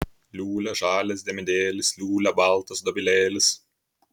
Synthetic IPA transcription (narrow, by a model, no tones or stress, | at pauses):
lʲuːlʲɛʒɑːlʲɛs̬ʲd̪ʲɛmʲɪd̪ʲeːlʲɪslʲuːlʲɛbɐlˠt̪ɐsd̪ɔbʲɪlʲeːlʲɪs